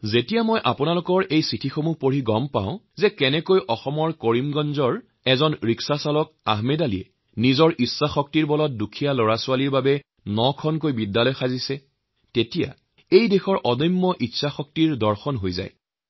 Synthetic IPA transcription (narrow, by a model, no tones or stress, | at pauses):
zetijamojʔapʊnalʊkɔɹʔejsitʰixomupoɹiɡɔmpa̰ʊ̃zɛkɛnɛkojʔɔxɔmɔɹkoɹimɡɔnzɔɹ | ɛzɔnɹiksasalɔk̚ | a̰ɦmedaliɛ̰ | nizɔɹʔisːaxɔk̚tiɹbɔlɔt̚dukʰijalɔɹasʊwaliɹbabɛ | nɔkʰɔnkojbidːalɔjxazisɛ | tetija̰ | ejdexɔɹʔɔdɔjmːɔʔitːsaxɔk̚tiɹdɔɹxɔnɦojza̰j